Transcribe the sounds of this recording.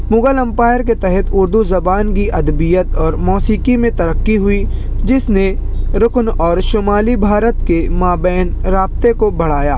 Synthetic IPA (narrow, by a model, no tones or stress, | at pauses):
mʊɡəlɐ̃mpaːjəɾket̪ɛɦɛt̪ʊɾd̪uzɐbaːnkiʔɐd̪bijət̪ɔːɾmɔːsiːkimẽt̪ɐɾəkːiɦʊi | d͡ʒɪsneɾʊknɔːɾʃoːmaːlibʱaːɾət̪kemaːbɛːnɾaːb̚t̪ekobʱɐɽ̤aːjaː